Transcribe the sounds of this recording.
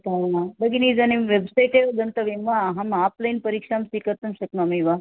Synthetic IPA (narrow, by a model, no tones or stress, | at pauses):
t̪abəɡinid͡zanimʋebsajʈed̪ɐnt̪ɐʋimʋaːɦamaplajnpəɾikʂamsikəɾt̪əmɕəknamiʋa